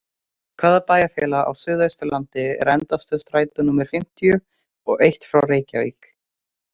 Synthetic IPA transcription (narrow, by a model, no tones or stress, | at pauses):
kʰvaːðapaːjafjɛːlaa̰wsʏːðajst̪ʏlant̪ɪ̰ɾɛnt̪ast̪ʏst̪ɾaːjt̪ʏnumɛɾ̥fɪm̥t̪ijʏ | ɔɣejht̪fɾawreːjcavḭːk